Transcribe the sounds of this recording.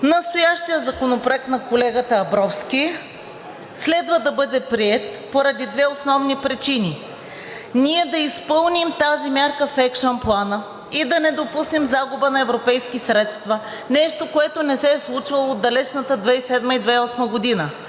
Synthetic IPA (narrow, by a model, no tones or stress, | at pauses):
nɐst̪ojaʃt̪ijəzɐkonopɾoɛk̚t̪nɐkolɛɡət̪əːbɾɔfskʲi | slɛd̪vəd̪ɐbɤd̪ɛpɾiɛt̪̚ | poɾɐd̪id̪vɛosnɔvnipɾit͡ʃini | niɛd̪ɐispɤlˠnimt̪azimʲjaɾkəfɛkʃonplˠanə | id̪ɐnɛd̪opusnɛmzaɡʊbənɐɛvɾopɛjskisɾɛt̪st̪vɐ | nɛʃt̪okoɛt̪onɛsɛslˠut͡ʃvɐlˠod̪ːɐlɛt͡ʃnət̪əd̪vɛisɛd̪məid̪vɛɔsməɡod̪inə